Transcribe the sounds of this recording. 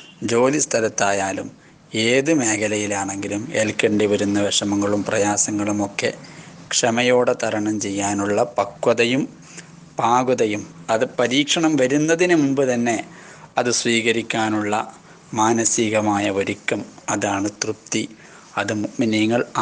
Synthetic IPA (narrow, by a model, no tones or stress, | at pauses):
d͡ʑo̞ːlist̪ʰɐlɐt̪ːaːjaːlum | eːðɨme̞ːɣɐlɐjilaːɳe̞ŋɡilumelkɐɳɖiʋɐɾunːɐʋeʂɐmɐŋːɐɭumprɐjaːsɐŋːɐɭumo̞kːe̞̰kʂɐmɐjo̞ːɽet̪ɐɾɐɳɐmt͡ɕe̞jːaːnuɭːɐpɐkːwɐðɐjum | paːɡuðɐjumɐðɨpɐɾiːkʂɐɳɐmʋɐɾunːɐðinumumbɨt̪ɐnːe̞ | ɐðɨsʋiːɣɐɾikʲːaːnuɭːɐ̰ | maːnɐsiɣɐmaːjɐoɾikʲːɐmɐðaːɳɨt̪rup̚t̪i | ɐðɨmuʔminiŋːɐɭ